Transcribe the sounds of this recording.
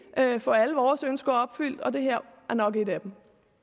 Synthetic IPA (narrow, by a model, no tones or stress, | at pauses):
ʔøfɒæləʋɒːsønsɡ̥ɐɒ̽b̥fyl̰d̥ɒ̽d̥e̝ɦeɐ̰æɐnɒ̽ɡ̥e̝d̥æb̥m̩